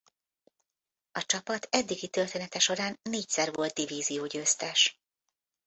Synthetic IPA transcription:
ɒt͡ʃɒpɒt̪ʰɛd̪ːiɡit̪ørt̪eːnɛt̪ɛʃo̞ɾaːnːeːc̚sɛrvo̞lt̪̚d̪iviːzijoːɟøːst̪ɛʃ

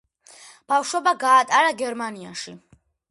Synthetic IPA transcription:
b̥afʃwɛbaɡaːt̪ʼaɾaɡɛɾmania̰ʃi

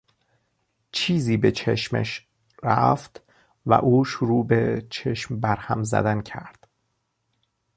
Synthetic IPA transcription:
t͡ʃʰiːziːbe̞t͡ʃʰḛʃmḛʃ | ɾæ̰ft̪ | væ̰ʔuːʃoɾuːbet͡ʃʰeʃmbæɾhæmzæ̰d̪æncʰæɾd̪̥

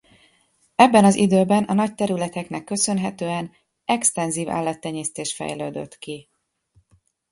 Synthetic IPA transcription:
ɛbːɛnɒzid̪øːbɛnɒnɒc̚t̪ɛɾylɛt̪ɛknɛkːø̞sø̞nɦɛt̪øːɛn | ɛkst̪ɛnziːva̰ːlːɒt̪ːɛɲeːst̪eːʃfɛ̰jløːd̪ø̰t̪ki

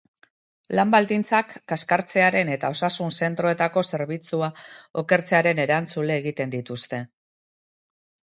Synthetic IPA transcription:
lambald̪int͡sakːaskaɾt͡se̞aɾe̞ne̞t̪ao̞sasunse̞nt̪ɾo̞e̞t̪ako̞se̞ɾβit͡suao̞ke̞ɾt͡se̞aɾe̞ne̞ɾant͡sule̞ːɣ̞it̪e̞nd̪it̪ust̪e̞

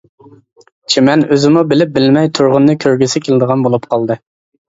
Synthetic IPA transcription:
t͡ʃʰimɛnøzɪmubɪlɪp̚bɪlmɛjt̪ʰuɾʁʊnːɨkʲʰøɾɡʲɪsɪkʲʰelɪd̪əʁɑnbolˠupqʰɑlˠd̪ɨ

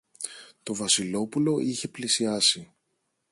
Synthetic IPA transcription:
t̪o̞vɐsilo̞pulo̞ʔiçe̞plisiɐsi

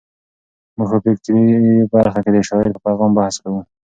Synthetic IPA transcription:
muɡpəpek̚t̪ɾibaɾxaked̪əʃɑɪɾpəpajɣɑmbahaskawu

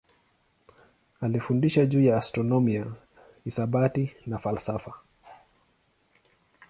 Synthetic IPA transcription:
alifundiʃaʄuːjaːstɾɔnɔmia | isaɓatinafalsafa

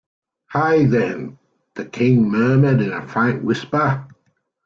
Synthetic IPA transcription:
haɪðɨ̃n | ðəkʰɪ̃ŋmɜːməɾɪ̃nəfɹæ̃ŋkwɪspə

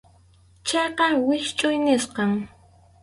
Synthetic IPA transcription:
t͡ʃɑjqɑwɪʃt͡ʃʼʊjnɪsqɑŋ

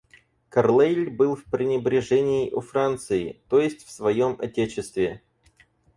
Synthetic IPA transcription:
kɐrlˠejlʲbɨlˠfpɾʲɪnʲɪbɾʲɪʐɛnʲɪːʔʊfɾant̪sɨɪ̰t̪o̞jɪsʲtʲfsvɐjo̞mɐ̰tʲet͡ɕɪst̪vʲɪ

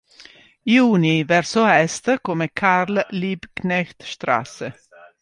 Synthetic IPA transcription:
iuːnɪʋɛɾsoɛst̪əkʰɔməkʰaɾlliːbkʰnɛçt̪ʃt̪ɾɑ̰ːsə

